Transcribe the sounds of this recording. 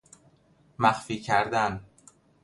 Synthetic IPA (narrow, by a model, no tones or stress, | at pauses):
mæxfiːcʰæɾd̪æn